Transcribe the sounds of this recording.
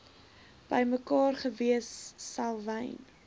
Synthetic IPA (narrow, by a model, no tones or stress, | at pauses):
b̥əjməkɑːrχəviəsːɐlˠvəjn